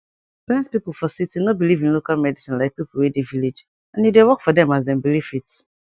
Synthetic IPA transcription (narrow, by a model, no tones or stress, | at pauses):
pɛ̃nspipl̩ˠfɔsitinobilivĩnlokalmɛdisĩnlaɪk̚pipl̩wɛdeviled͡ʒ | ãnidewɔkfɔdɛ̃mazdɛ̃mbilifit